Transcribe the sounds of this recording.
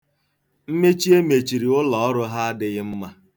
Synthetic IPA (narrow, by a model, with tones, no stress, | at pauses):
m̩˦me˦t͡ʃi˦e˦me˨t͡ʃi˨ɾi˨ʊ˦lɔ˨ɔ˦ɾʊ˦ɦa˦dɪ˦ɣɪ˦m̩˦ma˦